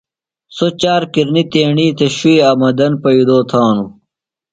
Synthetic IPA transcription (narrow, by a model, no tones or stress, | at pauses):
sot͡ɕaːɾkiɾnit̪eːɳiːt̪ʰeɕuiɐmɐd̪ɐnpɐid̪oːt̪ʰaːnu